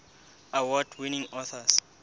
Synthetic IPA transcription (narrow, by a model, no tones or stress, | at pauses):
awɔdwinĩŋɔθas